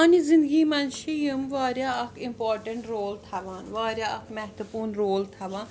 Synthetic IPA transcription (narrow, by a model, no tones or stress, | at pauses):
nizɪ̃nd̪ɡiːmɐnʃijimʋaːɾjaːɐkʰimpoːɾʈɐ̃ɳʈɾoːlt̪ʰɐʋaːnʋaːɾʲjaːɐkʰmɛɦt̪upuːnɾoːlt̪ʰɐʋãːn